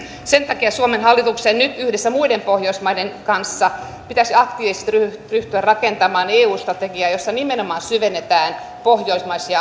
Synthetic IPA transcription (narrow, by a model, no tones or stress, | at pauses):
sent̪ɑkiɑsuomenhɑlːit̪uksennyt̪yhdesːæmuidempohjoismɑidenkɑnsːɑ | pit̪æsiɑkt̪iːʋise̥st̪ryryht̪yærrɑkent̪ɑmɑːneːuːst̪rɑt̪eɡiɑjosːɑnimenomɑːnsyʋenːet̪æːn | pohjoismɑisiɑ